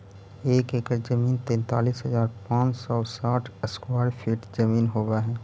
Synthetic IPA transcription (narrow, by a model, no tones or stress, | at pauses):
eːkeːkəɾd͡ʒəmiːnt̪ɛ̃ːnt̪a̰ːliːsɦəzaːɾpãːt͡ʃsɔːsaːʈʰəskwaːɖpʰiːʈd͡ʒɐmiːnɦoːbaɦɛː